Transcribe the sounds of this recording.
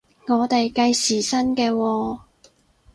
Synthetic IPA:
ŋɔː˨˧t̪e˨jkɐ˧jsiː˨˩sɐ˥nkɛː˧wɔː˧

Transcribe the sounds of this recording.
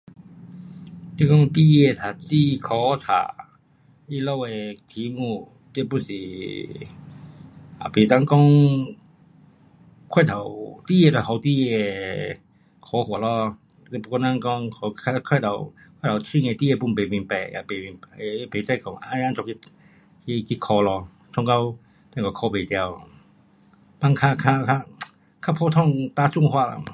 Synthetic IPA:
t̪i˥˧kɔ˥ŋt̪i˥˧e˥˧t̪ʰa˨˩ti˧kʰɔ˧˦t̪ʰa̰˨˩ | i˦lo˦˧we˨˧t̪ʰi˨˧˦mu˧ | t̪i˧pu˥˨nsi˨˩ | a˨˩pe˨˩t̪a˦˥˨ŋkɔ˦˥ŋ | kʰwa˥˧˨t̪ʰa˨wt̪i˥˧˨je˧˩ɔ˨˩ɦa˨˩wt̪i˧˩e˧ | kʰɔ˨˧˦hwɔ˨˩lɔ˧ | e˧˦pu˧kɔ˧nã˧ŋkɔ˧ŋɔ˧a˧kʰa˥˧˩t̪ʰa˨wkʰa˥˨tʰa˨˩t͡ɕʰi˧ŋe˨˧t̪i˦˧e˧p̬u˧˨npe˨˩mĩ˨npɛ˨˩ja̰˨˩pe˨˩mi˨˧n˧pe˨˩t͡sa˥˧˩jkɔ˨˩ŋa˧˦˧ã˧˥ŋt͡sɔ˨ki˧ | ki˧ki˧kʰɔ˧lɔ˧ | t͡sʰɔ˧˥ŋka˧˥w | t̪ɛ̃˧˨kɔ˨˩kʰɔ˧˦pe˨˩t̪ja˧w | pa˧ŋkʰa˥˧kʰa˥˧kʰa˧ | kʰa˧˥pʰɔ˧t̪ʰɔ˥˧˨ŋt̪a˧t͡su˥˧˨ŋhwa˥˧˨la̰˧˨

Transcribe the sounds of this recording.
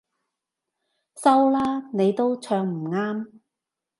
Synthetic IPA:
sɐ˥wlaː˥ne˨˧jt̪o˥wt͡ʃʰœː˧ŋm̩˨˩ŋaː˥m

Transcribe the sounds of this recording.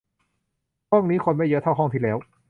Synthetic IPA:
hɔ˥˩ŋniː˦˥xʰo˧nma˥˩jɤ˦˥t̪ʰa˥˩wɦɔ˥˩ŋt̪ʰiː˥˩lɛː˦˥w

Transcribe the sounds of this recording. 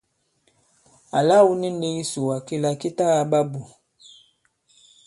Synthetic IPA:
a˨la˦wu˦ni˦n˦de˦i˦su˨wa˨ke˦la˨ki˦ta˦a˨ba˦bu˨

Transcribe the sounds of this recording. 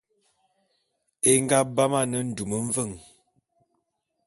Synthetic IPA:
e˦ŋ˦ɡa˦ba˦ma˦nə˦n̩˨du˨mə˨ɱ̩˦və˦˨ŋ

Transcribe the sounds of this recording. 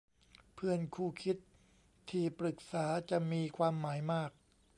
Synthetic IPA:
pʰɯ˥˩ənkʰuː˥˩kʰi˦˥t̪ʰː | iː˧˩pɾɯ˨˩k̚saː˩˦t͡ɕa˨˩miː˧kʰwaː˧mːaː˩˦jmaː˥˩k̚

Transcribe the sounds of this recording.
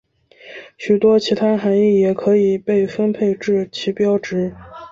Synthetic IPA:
ɕy˨˩t̪wɔ˥t͡ɕʰi˧˥t̪ʰa˥xa˧˥ni˥˩jɛ˨˩kʰɤ˧˥i˨˩pe˥˩ɪfə˥npʰe˥˧ɪʈ͡ʂɻ̩˥˩t͡ɕʰi˧˥pjɑ˥ʊʈ͡ʂɻ̩˧˥

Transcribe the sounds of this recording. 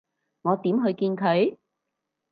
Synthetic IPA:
ŋɔː˨˧t̪iː˨˥mɦɵ˧ɥkiː˧nkʰɵ˨˧ɥ

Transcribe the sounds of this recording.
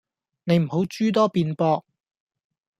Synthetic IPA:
ne˨˧jm̩˨˩ɦo˨˥wt͡ʃyː˥t̪̬ɔː˥piː˧npɔː˧k̚

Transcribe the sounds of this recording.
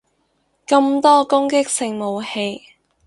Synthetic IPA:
kɐ˧mt̪ɔː˥kʊ˥ŋkɪ˥k̚sɪ˨ŋmo˨˧whe˧j

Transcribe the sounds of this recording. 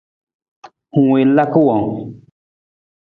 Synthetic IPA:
hu˨e˨la˦ku˦wa˨ŋ

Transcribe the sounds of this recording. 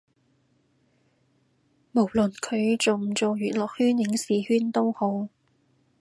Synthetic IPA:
mo˨˩wlɵ˨˩nkʰɵ˨˧ɥt͡sʊ˨˩ŋt͡so˨wjyː˨˩t̚lɔː˨k̚hyː˥njɪ˨˥ŋsiː˨hyː˥nt̪ʊ˥who˨˥w

